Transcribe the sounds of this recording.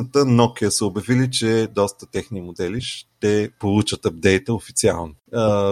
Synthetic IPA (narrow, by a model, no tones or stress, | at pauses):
ət̪ənɔkiəsəobjɐvilit͡ʃɛd̪ɔst̪ət̪ɛxnimod̪ɛliʃt̪ɛpolˠut͡ʃət̪ɐp̚d̪ɛjt̪əofit̪sia̰lˠno